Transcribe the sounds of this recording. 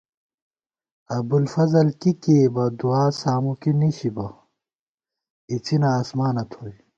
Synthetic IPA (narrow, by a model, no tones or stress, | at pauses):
ɐbulfɐzɐlkikeːbɐd̪uaːsaːmukiniɕibɐ | it͡sʰinaːsmaːnɐt̪ʰoːj